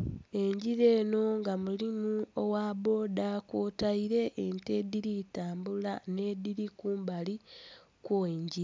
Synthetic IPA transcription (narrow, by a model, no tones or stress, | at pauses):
e̞ɲɟiɾe̞ːno̞ŋɡamulimuowaːbo̞ːdakwotaiɾe̞ʔːntediɾitaːmbulane̞ːdiɾikuːmbali | kwoeɲɟiɾe